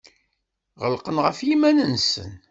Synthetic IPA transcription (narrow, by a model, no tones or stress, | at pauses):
ʁəlqənʁəfjimænənsə̰n